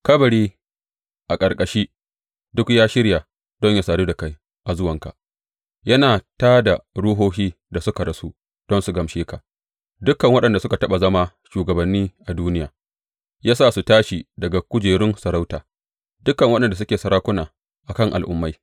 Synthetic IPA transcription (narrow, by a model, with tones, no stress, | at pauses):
kɐ˦bɐ˨ɽiː˦ | ʔa˨kʼɐ˨ɾkʼɐ˨ʃiː˦ | dʊ˦kjaː˦ʃɪ˦ɾja˨ | d̥ɔ˦ɲja˦saː˨ɽuː˦da˨ka˦j | ʔa˨zʊ˦wɐ˨ŋka̰˨ʔ | jɐ˦naː˨taː˦da˨ɽʊ˦ɦoː˦hiː˦ | da˨sʊ˦ka˨ɾɐ˦su˦ | d̥ɔ˦nsu˨ɡɐ˨mʃeː˦ka˨ʔ | dʊ˦kːɐ˨ŋwɐ˦ɗɐ˨nda˨sʊ˦ka˨tɐ˦ɓa˨zɐ˦ma˦ | ʃuː˨ɡɐ˨bɐ˨nːiː˦ʔa˨duː˦nɪ˦jaː˨ | jaː˦saː˦˨su˨taː˦ʃi˨dɐ˨ɡa˨kʷʊ˦d͡ʒeː˨ɽɪ˦nsɐ˨ɾa˦wtaː˨ | dʊ˦kːɐ˨ŋwɐ˦ɗɐ˨nda˨s̬ʊ˦kʲeː˨sɐ˨ɾaː˦kʷʊ˦naː˨ | ʔa˨kɐ˦ŋʔa̰˨lʔʊ̰˨˦mːa˦j